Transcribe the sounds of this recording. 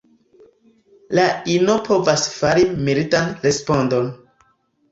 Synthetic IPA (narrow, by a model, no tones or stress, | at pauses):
lainopʰo̞vasfaɾimilitanɾespo̞ndo̞n